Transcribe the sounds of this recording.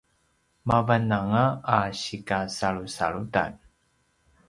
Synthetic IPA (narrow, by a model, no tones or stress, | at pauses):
mavanaŋaːɕikasaɭusa̰ɭuta̰n